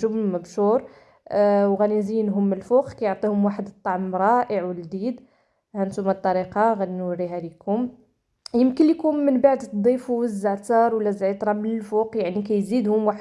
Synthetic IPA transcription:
ʒʊbmæbʃuɾˤ | wɣænizinɦʊmːəlfuqkæjoʕt̪ˤihʊmwaħəd̪ət̪ˤːɑʕmɾˤɑʔəʕwəld̪id̪ | hænt̪umæt̪ˤːɑɾiqɑɣæd̪inwərːiɦælikhʊm | jəmkənlːikunːənbaʕd̪t̪d̪ˤifuəzːəʕt̪əɾˤwəlːæzʕit̪ˤɾˤɑmənəlfuqjaʕnik̬æjzid̪hʊmwaħə

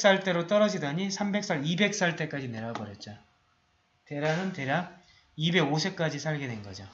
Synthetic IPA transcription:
s͈aɭt͈e̞ɾot͈ʌɾʌd͡ʑidaɲisʰambe̞k̚s͈ʰʌɾibe̞k̚s͈aɭt͈e̞k͈ad͡ʑine̞ɾabʌɾjʌt̚t͡ɕ͈o | te̞ɾanɯnte̞ɾa | ibe̞ɡosʰe̞k͈ad͡ʑisʰaɭɡedwenɡʌd͡ʑo

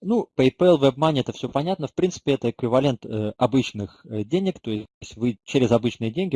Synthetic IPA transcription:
nupəɪpɛlˠvɛb̚manʲɪɛt̪əfsʲɵpɐnʲat̪̚nəfpɾʲint̪sɨ̥pʲɪɛt̪əɪkvʲɪvɐlʲe̞nt̪əɐbɨt͡ɕnɨxədʲenʲɪkt̪o̞ɪsʲtʲvɨt͡ɕːeɾʲɪzɐbɨt͡ɕnɨjədʲenʲɡʲɪ

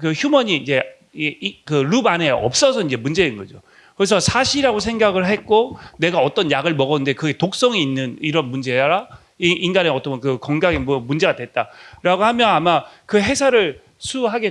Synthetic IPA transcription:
kɯçjumʌɲiːnd͡ʑe̞ | kɯɾubane̞ʌ̰p̚s͈ʌsʰʌind͡ʑe̞mund͡ʑe̞nɡʌd͡ʑo | kɯɾesʰʌsʰaɕʰiɾaɡosʰe̞ŋɡaɡɯɭɦe̞t̚k͈one̞ɡaʌt͈ʌnjaɡɯɭmʌɡʌnɯnde̞kɯɡe̞tok̚s͈ʌŋiinːɯniɾʌnmund͡ʑe̞aɾa | iinɡaneʌt͈ʌkɯkʌŋɡaɡemʌmund͡ʑe̞ɡadwe̞t̚t͈aɾaɡohamjʌnamakɯɦe̞sʰaɾɯɭ | sʰuɦaɡe

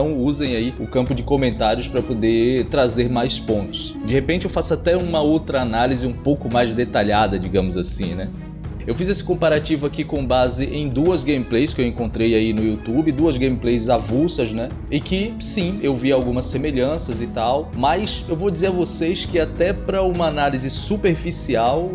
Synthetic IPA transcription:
ɐ̃w̃uzẽj̃aiʊkɐ̃mpʊd͡ʒɪkomẽnt̪aɾjʊspɾɐpod̪et̪ɾazeɾmajspõnt̪ʊ̥s | d͡ʒɪhepẽnt͡ʃɪewfasʊat̪ɛũmɐowt̪ɾɐːnalizɪũpowkʊmajzd̪et̪aʎad̪ɐd͡ʒiɡɐ̃mʊzasĩnɛ | ewfizesɪ̥kõpaɾat͡ʃivʊakikõbazɪʔẽj̃d̪uɐzɡẽjmiplejskɪewẽkõnt̪ɾejainʊiut̪ubɪd̪uɐzɡẽjmiplejzavusɐznɛ | ɪkɪsĩewviawɡũmɐsemeʎɐ̃sɐzɪt̪awmɐjsewvod͡ʒizeɾɐvosejskɪat̪ɛpɾɐũmɐanalizɪsupeɾfisiaw

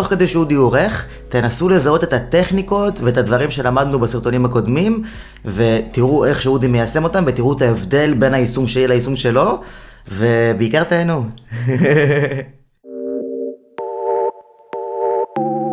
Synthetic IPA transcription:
o̞χke̞d̪eʃeud̪ioʁeχ | t̪e̞nasule̞zao̞t̪e̞t̪at̪e̞χniko̞tveetad̪vaʁimʃe̞lamad̪nubasiʁt̪o̞nimhako̞dmim | ve̞t̪iʁuʔe̞χʃeud̪ime̞jase̞mo̞t̪amvet̪iʁut̪aevd̪e̞lbe̞naisumʃejelaisumʃe̞lo̞ve̞beikaʁt̪aenu

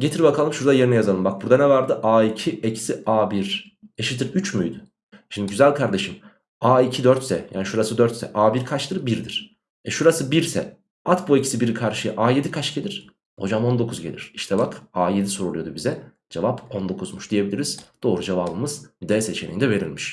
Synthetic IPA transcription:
ɟe̞t̪ʰiɾbakʰalˠɯmʃuɾd̪ajeɾinɛjazalˠɯmbak̚buɾd̪anɛvaɾd̪ɯʔaːicʰiecʰi̥siaːbiɾ | eʃit̪ʰiɾyt͡ʃmyjd̪y | ʃimd̪iɟyzælʲkʰaɾd̪e̞ʃim | aːicʰid̪øɾt̪sɛ̰ja̰ːniʃuɾasɯd̪øɾt̪sɛ̰ʔaːbiɾkʰat͡ʃt̪ʰɯɾbiɾd̪iɾ̥ | ɛʃuɾasɯbiɾsɛ̰ | at̪boecʰisibiɾikʰaɾʃɯjɯʔaːje̞d̪ikʰat͡ʃɟelʲiɾ̥ | ho̞̰d͡ʒamo̞nd̪o̞kʰuzɟelʲiɾ̥iʃt̪ʰɛbakaːje̞d̪isoɾolˠujo̞d̪ubizɛ | d͡ʒevapo̞nd̪o̞kʰuzmuʃd̪ije̞bilʲiɾiz̥d̪̥o̞ːɾud͡ʒevaːbɯmɯz̥d̪ɛːset͡ʃʰenʲḭnd̪ɛve̞ɾḭlʲmiʃ

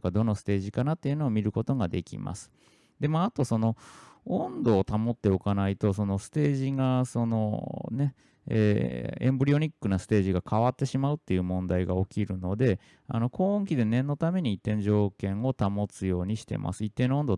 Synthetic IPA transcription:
kad̪o̞no̞sɨ̥t̪e̞ːʑikanat̪ːe̞iɯ̟noːmʲiɾɯ̟ko̞t̪o̞ɡad̪e̞kʲḭma̰sɨ̥ | d̪e̞maat̪o̞so̞no̞õnd̪o̞ːt̪amo̞t̪ːe̞o̞kanait̪o̞so̞no̞sɨ̥t̪e̞ːʑiɡaso̞no̞̰ne̞ | ḛːẽmbɯ̟ɾʲio̞ɲ̟ikːɯ̟nasɨ̥t̪e̞ːʑiɡakʰaβat̪ːe̞ɕimaɯ̟t̪ːe̞jɯ̟ːmõ̞nd̪aiɡao̞kʲiɾɯ̟no̞d̪e̞ | a̰no̞kʰo̞ːõŋk̬ʲid̪e̞nẽ̞nːo̞t̪ame̞ɲ̟iːt̪ːẽ̞ɲ̟d͡ʑo̞ːkẽ̞ŋ̃o̞t̪amo̞t͡sɨjo̞ːɲ̟iɕi̥t̪e̞̰mʔa̰sɨit̪ːe̞noo̞nd̪o

